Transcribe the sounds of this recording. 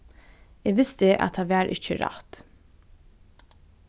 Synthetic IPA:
eːɡʋɪst̪əʔɑ̰t̪hɑːʋæːɾʔɪ̰çəɾɑ̰t̪

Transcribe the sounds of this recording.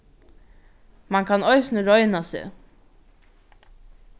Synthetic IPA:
maŋkʰanɔjsnəɹɔjnasḛ

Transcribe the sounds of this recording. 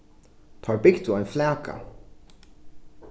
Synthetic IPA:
t̪ʰɑːɹbɪɡd̪uajnflæːkʰa̰

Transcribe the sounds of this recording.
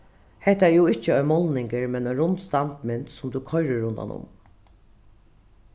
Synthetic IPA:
hɛht̪ajuːɪt͡ʃəɔjmɔlnɪŋkɪɹmɛnɔjɾʊnt̪st̪ant̪mɪnt̪sʊmt̪ukʰɔjɾɪɾʊnd̪a̰nʊ̰m

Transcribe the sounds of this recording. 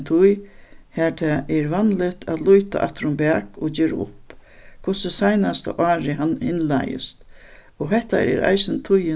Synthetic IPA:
t̪ʰʊjhɛt̪ʰɛʔɛɾvanlɪt̪ʰat̪lujt̪a̰ʔa̰t̪ɪɾʊmbæːkɔd͡ʑeːɾa̰ʊ̰pkʰʊsəsajnast̪a̰ʔɑːɾɪɦanhɪnla̰jɪ̰st̪ | ɔɦɛht̪a̰ɾɛ̰ɾa̰jsɪnt̪ʰʊjɪ

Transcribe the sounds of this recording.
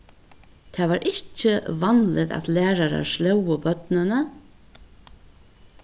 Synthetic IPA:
t̪ʰaːʋaːɾʔɪht͡ʃəvanlɪt̪a̰t̪læːɾaɾa̰ʃlɛwəbœt̪nɪnə

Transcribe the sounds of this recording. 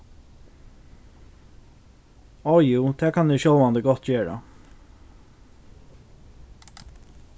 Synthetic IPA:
ɔjuːt̪ʰɛːkʰanɛʃɔwlvand̪ɪɡɔht̪ːt͡ɕeːɹa̰

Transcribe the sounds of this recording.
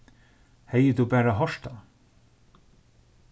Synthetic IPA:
hɛjəd̪uːbæːɾaɦɔʃta

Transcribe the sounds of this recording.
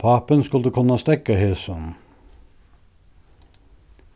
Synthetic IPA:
pʰɑːpənskʉld̪əkʰʊnːɑst̪ɛkːəheːsɔn

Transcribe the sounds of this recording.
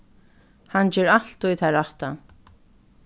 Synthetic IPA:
hand͡ʒɛːɾal̥t̪ujt̪ʰaɾaht̪a

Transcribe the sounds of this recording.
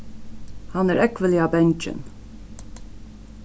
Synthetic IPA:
hɑnæːɹʔɛkʋəlɪɑːbɛnt͡ʃə̰n

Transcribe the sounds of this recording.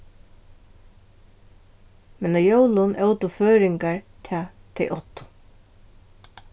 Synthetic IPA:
mɛnɔjowlʊnʔɛwt̪ʊføːɾɪŋkaɹt̪ʰɛːt̪ʰɛ̰ʔɔt̪ʊ̥

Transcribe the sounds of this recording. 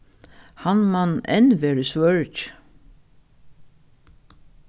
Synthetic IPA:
hanmanɛ̰nʋeːɹəsʋœɹt͡ʃ

